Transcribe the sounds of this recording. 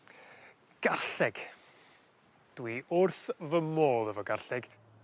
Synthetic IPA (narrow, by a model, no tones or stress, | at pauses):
ɡ̥arɬɛɡ̥ | d̥wiʔʊrθvəmoːlˠəvɔɡarɬɛɡ̥